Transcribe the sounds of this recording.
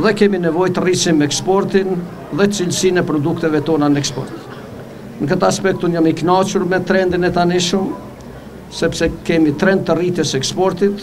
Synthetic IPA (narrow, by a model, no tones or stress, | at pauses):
ðɛkɛminɛvɔjt̪ərisinmɛɛkspɔɾt̪in | ðɛt̪t͡silsinɛpɾɔd̪ukt̪ɛvɛt̪ɔnanəɛkspɔ̰ɾt̪ | nəkət̪aaspɛkt̪unjamiknat͡ʃuɾmɛt̪ɾɛnd̪inɛt̪aniʃəm | sɛpsɛkɛmit̪ɾɛnd̪̚t̪ːərit̪jɛsɛkspɔɾt̪it̪